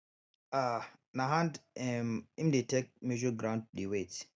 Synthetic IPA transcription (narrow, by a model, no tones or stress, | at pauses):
a | naɦandɛmimdetɛk̚med͡ʒɔɡɾãwnd̚ɗiwet